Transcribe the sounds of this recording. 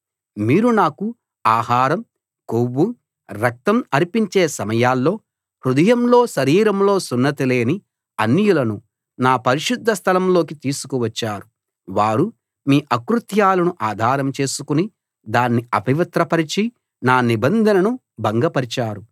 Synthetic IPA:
miːɾunaːku | aːhaːɾɐm | kowːu | ɾɐk̚t̪ɐmɐɾipiɲt͡ʃeːsɐmɐjaːlːo̞ː | hɾud̪ɐjɐmlo̞ːʃɐɾiːɾɐmlo̞ːsunːɐt̪ile̞ːni | ɐnːijulɐnu | naːpɐɾiʃud̪ʱːɐst̪ʰɐlɐmlo̞ːk̬it̪iːsu̥kuʋɐt͡ʃːaːɾu | ʋaːɾu | miːʔɐkɾut̪jaːlɐnuʔaːd̪ʱaːɾɐmt͡ʃe̞ːsukuni | d̪aːnːiɐpiʋɐt̪ɾɐpɐɾit͡ʃi | naːnibɐnd̪ʱɐnɐnu | bɐŋɡɐpɐɾit͡ʃaːɾu

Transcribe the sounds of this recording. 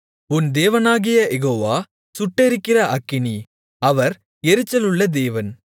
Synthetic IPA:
ʊnd̪eːʋɐnaːɣɪjɐʔɛɣoːʋaː | sʊʈːɛɾɯkːɪrɐʔɐkːɪni | ɐʋɐɾ | ɛɾɯt͡ʃːɐlɯɭːɐd̪eːʋɐn

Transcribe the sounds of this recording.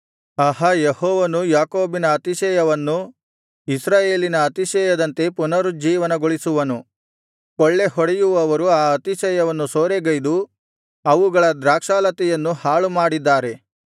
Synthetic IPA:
ɐɦɐjehɔːʋɐnujaːkoːbinɐːt̪iʃɛːjɐʋɐnːu | isɾaːje̞ːlinɐːt̪iʃɛːjɐd̪ɐnt̪e̞punɐɾud͡ʒiːʋɐnɐɡoɭisuʋɐnu | kɔɭːe̞ɦɔɽɛjuʋɐːʋɐɾuaːɐt̪iʃɛːjɐʋɐnːusoːɾeɡɐjd̪u | ɐʋuɡɐɭɐd̪ɾaːkʂaːlɐt̪ɛjɐnːuhaːɭumaːɽid̪ːaːɾe̞

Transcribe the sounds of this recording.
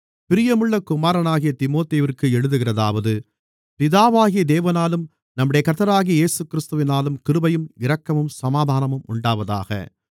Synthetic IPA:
pɪɾɪjɐmɯɭːɐkʊmaːɾɐnaːɣɪjɐt̪ɪmoːt̪eːʋɪrkɯɛɻɯðɯɣɪrɐða̰ːʋɐðɯ | pɪðaːʋaːɣɪjɐd̪eːʋɐnaːlɯm | nɐmːɯɽɐjɐkɐɾt̪ːɐɾaːɣɪjɐjeːsɯkːɪɾɪst̪ɯʋɪnaːlɯmkɪɾɯbɐjɯmɪɾɐkːɐmɯmsɐmaːd̪ʱaːnɐmɯmʊɳɖaːʋɐða̰ːɣɐ̰

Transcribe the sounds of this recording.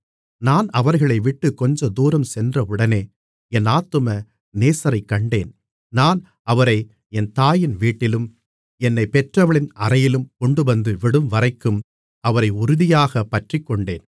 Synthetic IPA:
naːnɐʋɐɾɣɐɭɐɪʋɪʈːɯkːɔɲd͡ʒɐd̪uːɾɐmsɛndrɐɯɽɐneː | ɛnaːt̪ːɯmɐ | neːsɐɾɐɪkːɐɳɖeːn | naːn | ɐʋɐɾɐɪ | ɛnt̪aːjɪnʋiːʈːɪlɯm | ɛnːɐɪpɛʈrɐʋɐɭɪnɐɾɐjɪlɯmkɔɳɖɯʋɐnd̪ɯʋɪɽɯmʋɐɾɐɪkːɯm | ɐʋɐɾɐɪʊɾʊðɪjaːɣɐpɐʈrɪkːɔɳɖeːn

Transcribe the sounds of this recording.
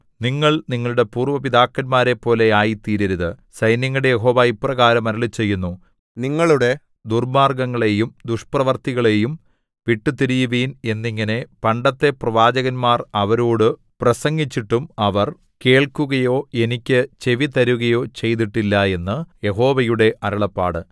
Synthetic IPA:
niŋːɐɭniŋːɐɭuɽe̞puːrʋɐpiðaːkːɐnmaːɾepːo̞ːle̞aːjit̪iːɾiɾuðɨsɐjnjɐŋːɐɽejeɦo̞ːʋaiprɐɣaːɾɐmɐɾɐlit͡ɕːe̞jːunːu | niŋːɐɭuɽe̞ | d̪urmaːrɡɐŋːɐɭe̞jumd̪uʂprɐʋɐrt̪iɣɐɭe̞jum | ʋiʈːut̪iɾijuʋiːne̞nːiŋːɐne̞pɐɳɖɐt̪ːe̞prɐʋaːd͡ʑɐɣɐnmaːrɐʋɐɾoːɽɨ | prɐsɐŋɡit͡ɕːiʈːumɐʋɐr | ke̞ːɭkuɣɐjo̞ːe̞nikʲːɨt͡ɕe̞ʋit̪ɐɾuɣɐjo̞ːt͡ɕe̞jt̪iʈːilːɐe̞nːɨje̞ɦo̞ːʋɐjuɽe̞ʔɐɾɐɭɐpːa̰ːɽɨ

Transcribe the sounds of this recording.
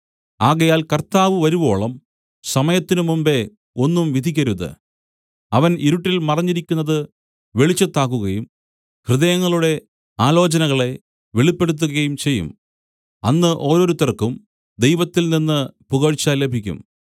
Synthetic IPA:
aːɣɐjaːlkɐrt̪aːʋɨʋɐɾuʋo̞ːɭɐm | sɐmɐjɐt̪ːinɨmumbe̞ | o̞nːumʋid̪ʱikʲːɐɾuðɨ̰ | ɐʋɐniɾuʈːilmɐrɐɲːiɾikʲːunːɐðɨ | ʋeɭit͡ɕːɐt̪ːaːk̬ːuɣɐjum | hrɨðɐjɐŋːɐɭuɽe̞ | aːlo̞ːt͡ɕɐnɐɣɐɭe̞ | ʋeɭipːe̞ɽut̪̬ːuɣɐjumt͡ɕe̞jːṵm | ɐnːɨʔo̞ːɾo̞ːɾut̪ːɐrkːum | d̪e̞jʋɐt̪ːilninːɨpuɣɐɻt͡ɕːaːlːebʱikʲːṵm

